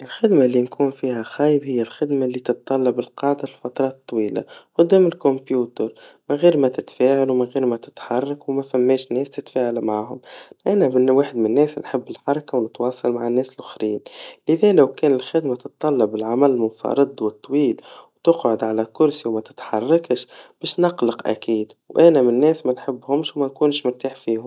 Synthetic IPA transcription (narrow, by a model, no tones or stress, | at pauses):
ʔɪlxɪd̪malːinkʰuːnfiːhæxæːjəbhɪjːælxɪd̪malːiːt̪ɨt̪̚ˤːɑlːɑbɪlqɑːʕd̪alfɑt̪ɾˤɑːt̪t̪ˤːwiːla̰qʊd̪ːæːmɪlkʊmpjuːt̪əɾmɪnɣiːɾmæt̪ɪt̪fæːʕalwmɪnɣiːɾmæt̪ɪ̥t̪ħɑrˤːɑkwmæfæmːɛːʃnɛːst̪ɪt̪faːʕalmaʕaːɦʊmʔænæmɪnwaːħɪd̪mɪnːɛːsnħɪbːɪlħɑɾˤɑkawnət̪wɑːsˤɑlmaʕanːɛːsɪlʔʊxɾiːnlɪðɛːlæwkɛːnɪlxæd̪mæt̪ɨt̪ˤːɑlːɑbːɪlʕamællmʊnfɑ̰ɾˤɨd̪ˤwət̪ˤːwiːlwt̪ʊqʕʊd̪ʕalækʊɾsiwmæt̪ɪ̥t̪ħɑrˤːɑkəʃb̥ɛːʃnɑqlɑqʔæ̰kiːd̪wʔænæmɪnːɛːsmænħɪbːhʊmʃwmænkuːnʃmʊɾt̪aːħfiːhʊm